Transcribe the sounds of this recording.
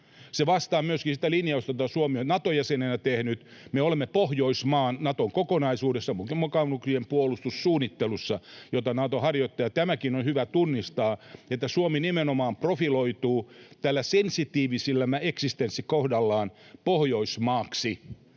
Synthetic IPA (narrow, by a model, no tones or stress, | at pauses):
seʋɑst̪ɑːmyøskisit̪ælinjɑost̪ɑjot̪ɑsuomionnɑt̪ojæsenenæt̪ehnyt̪meolemːepohjoismɑːnnɑt̪oŋkokonɑisuːdesːɑmmokɑuksiempuolust̪ussuːnːit̪ːelusːɑjot̪ɑnɑt̪ohɑrjot̪ːɑjɑt̪æmækinonhyʋæt̪unːist̪ɑːet̪ːæsuominimenomɑːmprofiloit̪uːt̪ælːæsensit̪iːʋisilːæmæeksist̪ensːikohdɑlːɑːnpohjoismɑːksi